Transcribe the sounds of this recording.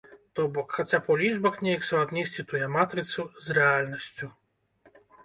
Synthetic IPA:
t̪ɔbɔkxat͡sʲapɔlʲiʐbɐxnʲejɐksɐad̪nʲisʲt͡sʲit̪ujɛmat̪ɾɨt̪suzrɛalʲnɐsʲt͡sʲu

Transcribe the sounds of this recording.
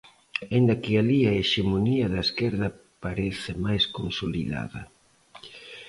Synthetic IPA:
ind̪ɐkɪaliɐeʃemoniɐðɐeskɛɾðɐ | paɾeθɪmajskonsolḭða̰ðɐ̰

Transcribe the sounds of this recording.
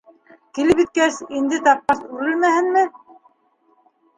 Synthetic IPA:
kilɘpit̪̚kæsind̪ɘt̪ɑp̚qɑsʉɾɘ̆lmæhɘ̆nmɘ

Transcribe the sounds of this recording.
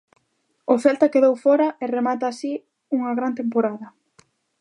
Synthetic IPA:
ofɛlt̪ɐkeðowfɔɾɐʔeremat̪aːsi | uŋɐɣɾant̪empoɾaðɐ

